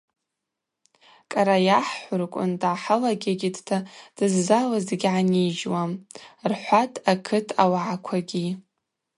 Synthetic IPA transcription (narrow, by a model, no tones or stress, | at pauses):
kʼaɾajaħħʷʊrkʷʼʊ̰ndʕaħalaɡʲaɡʲidtʰad̥ɨzːalazeɡʲʕanid͡ʒwamrħʷatʰʼakʰɨtʰa̰waʕakʷʰaɡʲi